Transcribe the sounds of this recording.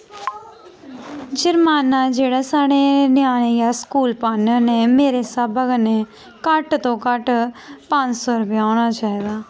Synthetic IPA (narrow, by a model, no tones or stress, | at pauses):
d͡ʒɐɾmaːnad͡ʒeːɽasaːɽ̃enɪjaːɽ̃ejaskuːlpaːnənẽmeːɾesabɐɡnẽ | kaʈt̪okaʈpãːnsoɾʊbɪaːʋɽ̃at͡ʃaːɦid̪aː